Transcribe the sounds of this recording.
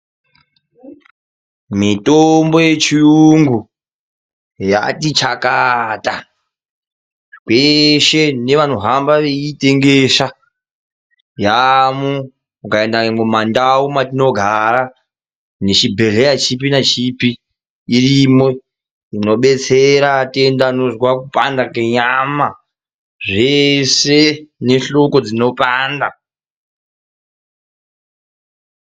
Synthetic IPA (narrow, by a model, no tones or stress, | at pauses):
mitombo̞je̞t͡ʃiuŋɡu | ja̰tit͡ʃakata | kweʃe̞ne̞ʋanoɦambaʋeitʼe̞ŋɡeʃa | jamu | ukaendamumandaumatino̞ɡʱaɾa | net͡ʃibʱe̞ɮejat͡ʃipinat͡ʃipiː | rimwe | ino̞ɓe̞t͡seɾate̞ndanoʐwakupʼandakeɲama | ʐese̞ne̞ɬo̞ko̞d͡zino̞pʼaːnda